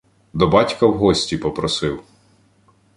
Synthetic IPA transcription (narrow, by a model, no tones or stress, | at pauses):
d̪ɔbɑtʲkɐwɦɔsʲtʲipɔpɾɔsɪw